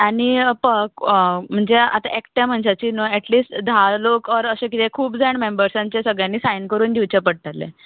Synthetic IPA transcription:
aɽipəɦkm̤əɳd͡zea̰t̪aʔekʈjãm̤əɳd͡ʑat͡ɕiːnoɛʈliːsʈd̪ʱalokəɾəsẽkit̪ekʰuːpd͡zaɳmembəɾsãɲt͡ɕesəɡɭjãnːiːsajnkəɾuːnd̪iʋt͡ɕepəɽt̪alːḛ

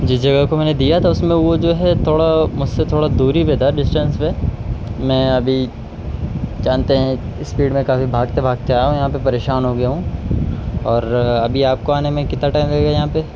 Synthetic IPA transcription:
d͡ʒɪsd͡ʒɐɡəkomɛːned̪ijat̪ʰaʊsmẽʋod͡ʒoːɦɛt̪ʰoːɽamʊd͡ʒʱset̪ʰoːɽad̪uːɾiʋeːd̪aɖɪsʈə̃nsmẽ | mɛ̃ːɐbʱi | d͡ʒaːnt̪eɦɛ̃ | ɪsːfiːɖmẽkaːfibʱaːɡtebʱaːɡ̚t͡ʃaːjaɦũjɐɦãpepɐɾeːʃaːnɦoɡɐjaɦũ | ɔːɾɐbʱiaːp̚koaːnemẽkɪt̪naʈaːɪimʋeːɡajɐɦãpe

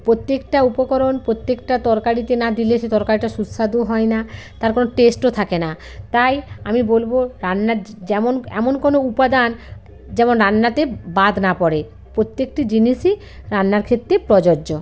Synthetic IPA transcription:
pɾot̪ːekʈaupokɔɾonpɾot̪ːekʈat̪ɔɾkaɾit̪enad̪ileʃet̪ɔɾkaɾiʈaʃusad̪oɦɔenat̪aɾkonoʈesʈot̪ʰakena | t̪ajamibolboɾanːad͡ʑɛmonɛ̰monkonoupad̪an | d͡ʑɛmonɾanːat̪ebad̪ʱnapɔɾe | pɾot̪ːek̚ʈid͡ʑiniʃi | ɾanːaɾkʰet̪ːɾepɾɔd͡ʑoːd͡ʑo

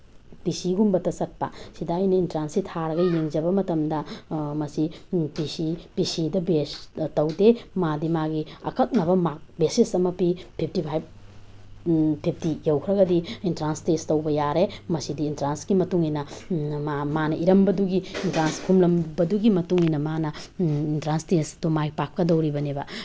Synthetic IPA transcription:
pisiɡumbɐtɐsɐt̚pɐ̰sidajnɐintɾansitʰaɾɐɡɐjeŋd͡ʒɐbɐmɐtɐmdɐmɐsipisipisidɐbestɐwdemadimaɡiɐ̰kʰɐk̚nɐβɐmak̚besisɐmɐpipʰip̚tipʰajb̚ | pʰip̚ʰtijɐwkʰɾɐɡɐdiintɾanstestɐwbɐjaɾemɐsidiːntɾansɡimɐtuŋinɐmamanɐʔiɾɐmbɐduɡiintɾanskʰumlɐmbɐduɡimɐtuŋinɐmanɐintɾanstesdumaɡipakkːɐdɐwɾibɐnebɐ

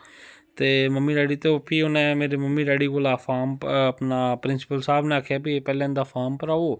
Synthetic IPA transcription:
t̪eːməmːiːɾaːɽiːt̪õpʰiːʊnẽːmeːɾeːməmːiːɾaːɽiːkoːlaːpʰaːməpnaːpɾɪnsɪ̥pəlsaːbnẽaːkʰjaːbipɛːlãːɪ̃nd̪aːpʰaːɾmpəɾaːoː

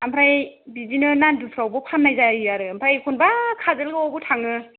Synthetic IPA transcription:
ampʰɾaj | bizinɯnandupʰɾawbɯpʰanːajzaijaɾɯampʰɾajkʰunbakʰazɯlɡɯɔɡutʰaŋɯ

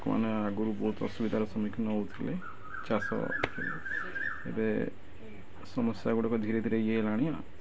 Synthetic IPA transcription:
kma̰neaɡuɾubɔɦut̪ɔ̰subid̪ʱaɾɔsɔmikʰinɔɦowt̪ʰile | t͡ʃasɔ̰t̪ʰile | ebe | sɔmɔsjaɡuɽɔkɔd̪ʱiɾed̪ʱiɾejelaɽ̃ia

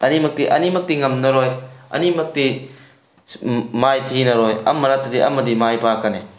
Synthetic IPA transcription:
ɐnimɐk̚tiʔɐnimɐk̚tiŋɐmnɐɾɔjɐ̰nimɐk̚ti | majtʰinɐɾɔjɐ̰mːɐɾatːɐdiʔɐ̰mːɐdimajpakɐne

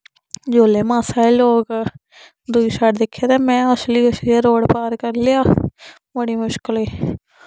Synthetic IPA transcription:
d͡ʒoːleːmãːsaːiːloːk | d̪ʊiːsaːʈd̪ɪkʰːeːɾɛːmɛ̃ːɔsliːɔsliːeɾoːɽpaːɾkəɾlɪjaː | bəɽiːmʊʃkəliː

